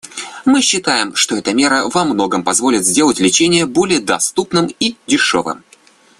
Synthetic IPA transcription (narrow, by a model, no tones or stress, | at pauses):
mɨɕːɪt̪ajɪmʂt̪o̞ɛt̪əmʲe̞ɾəvɐmno̞ɡəmpɐzvo̞lʲɪt̪zʲdʲe̞lˠətʲlʲɪt͡ɕenʲɪjəbo̞lʲɪjəd̪ɐst̪upnɨmidʲɪʂo̞̰vɨ̰m